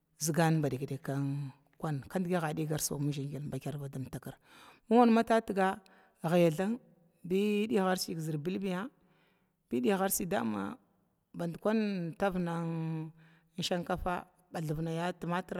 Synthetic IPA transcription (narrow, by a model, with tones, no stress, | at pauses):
zi˨ɡa˦n˨ba˨di˨kde˨ka˦n | kʷa˦nka˦ndɡi˦ɣa˨di˦ɡa˨ɾso̰˨mu˦ʒi˨ŋɡi˨nba˨kʲa˦ɾva˨da˨mta˨ka˨ɾ | mu˦a˦n˦ma˦ta˦tə˨ɡa˦˨ | ɣa˨ja˨ɮa˦ŋ | bi˦di˦˨ɣa˦ɾsi˨ɡzi˨ɾbi˦lbi˦ja˦ | b̥i˦ɗi˦jɣa˦ɾsi˨da̰˦ma̰˨ | ba˨ndkʷa˦nta˦vna˨ŋ˦ | n̩˦ʃa˦ŋka˦fa̰˦ | ba˨ɮu˨vna˨ja˦ti˨ma˦tɾ